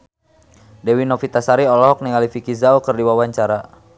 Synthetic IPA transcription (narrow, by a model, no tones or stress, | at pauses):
dɛwinɔfit̪asaɾiɔlɔɦɔk̚niŋalifikizaukɨrdiwawaɲt͡ʃaɾa